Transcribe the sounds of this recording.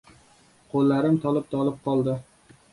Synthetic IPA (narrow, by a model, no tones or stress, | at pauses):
qʰolˠːaɾɪmt̪ʰɒlˠɪp̚t̪ʰɒlˠɪp̚qʰɒlˠd̪ɪ